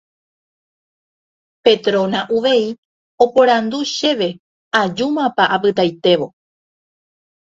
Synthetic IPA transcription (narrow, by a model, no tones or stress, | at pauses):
pe̞t̪ɾõnaʔuʋe̞i | o̞poɾand̪uʃe̞ʋe̞ | ad͡ʒumãpaʔapɨt̪ajt̪e̞ʋo̞